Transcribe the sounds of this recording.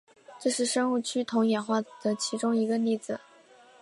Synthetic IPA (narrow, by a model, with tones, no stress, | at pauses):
ʈ͡ʂɤ˥˧ʂɻ̩˥˧ʂɤ˥ŋu˥˩t͡ɕʰy˥t̪ʰʊ˧˥ŋjɛ˨˩nxwa˥˩d̪̥ə˩t͡ɕʰi˧˥ʈ͡ʂʊ˥ŋi˧˥ɡə˧li˥˩d͡zɹ̩˩